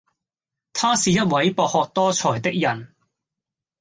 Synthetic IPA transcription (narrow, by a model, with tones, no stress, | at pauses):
t̪ʰaː˥siː˨jɐ˥t̚wɐ˨˥jpɔː˧k̚hɔː˨˧k̚t̪ɔː˥t͡sʰɔː˨˩jt̪ɪ˥k̚jɐ˨˩n